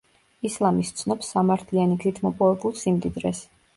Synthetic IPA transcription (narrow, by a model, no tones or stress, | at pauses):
islˠamist̪sʰnɔpsːamaɾt̪ʰlianiɡzit̪ʰmɔpʼɔvɛbulˠsimd̪id̪ɾɛs